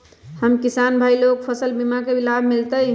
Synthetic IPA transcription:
həmkisanbʱailok̚pʰəsəlbimakebilabʱmilt̪əj

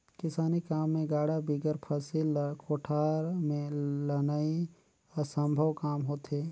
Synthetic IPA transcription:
kɪsaːnikaːmːẽɡaːɽabiɡəɾpʰəsilkʰoːʈʰaːɾmẽlɐnaːi | ɔsə̃mbʱəʋkaːmɦoːt̪ɦeː

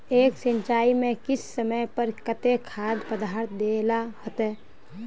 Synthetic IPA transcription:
eːksə̃nt͡ʃaːimẽkɪsːəməjpəɾkət̪ekʰaːd̪pəd̪aɾt̪̚d̪elahət̪ɛː

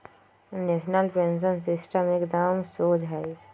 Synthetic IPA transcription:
neʃnəlpẽns̬əns̬ɪsʈəmeːkd̪əmsoːd͡ʒɦɛ

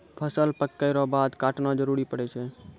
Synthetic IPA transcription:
pʰəsəlpəkːəɪɾɔbad̪kaʈnad͡ʒəɾuɾipəɽɛt͡ʃʰɛ

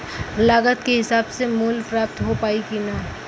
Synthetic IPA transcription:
laːɡət̪keɦɪsaːbsemuːlpɾaːp̚t̪ɦopaːikinaː

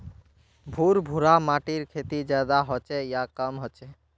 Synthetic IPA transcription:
bʱuɾbʱuɾamaʈiɾkʰet̪id͡ʒjad̪aɦɔt͡ʃejakəmɦɔt͡ʃe

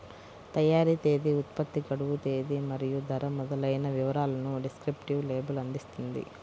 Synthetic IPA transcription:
t̪ɐjaːɾit̪e̞ːd̪iut̪̚pɐt̪ːiɡɐɽuʋut̪e̞ːd̪imɐɾijud̪ʱɐɾɐmɔd̪ɐlɐjnɐʋiʋɐɾaːlɐnuɖiskɾipʈiʋleːbɐlɐnd̪ist̪und̪ḭ

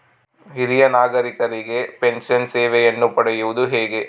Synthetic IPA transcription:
ɦiɾijɐnaːɡɐɾikɐɾiɡe̞pe̞nsɐnseːʋɛjɐnːupɐɽɐjuʋud̪uɦeːɡe̞

